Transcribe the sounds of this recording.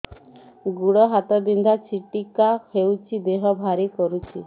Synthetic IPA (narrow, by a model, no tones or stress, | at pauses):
ɡuɽɔɦat̪ɔbind̪ʱat͡ʃiʈikahewt͡ʃʰid̪eɦɔbʱaɾikɔɾut͡ʃʰi